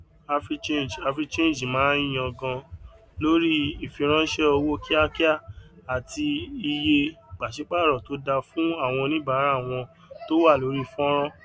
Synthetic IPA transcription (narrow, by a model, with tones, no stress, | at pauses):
a˧fi˦t͡ʃe˦˨n˨d͡ʒa˧fɾi˦t͡ʃẽ˦n˨d͡ʒmãː˨˦ĩ˦˨j̃ã˧ɡɔ̃˧ | lo˦ɾi˦i˦˨fĩ˧ɾ̃ã˦ʃɛ˦o˧wo˦ki˦a˦ki˦a˦˨a˨ti˧i˧je˧k͡pa˨ʃi˨˦k͡pa˦˨ɾɔ˨to˨˦da˧fũ˦a˦˨w̃ɔ̃˧nĩ˦ba˦ɾa˦˨w̃ɔ̃˧ | to˦wa˦˨lo˨˦ɾi˦fɔ̃˦ɾ̃ɔ̃˦